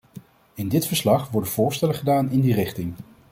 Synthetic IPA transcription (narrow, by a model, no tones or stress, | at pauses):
ɪndɪtfəɹslɑχʋɔɹdəv̥ʊːɹstɛləχədaːnɪndirɪχtɪŋ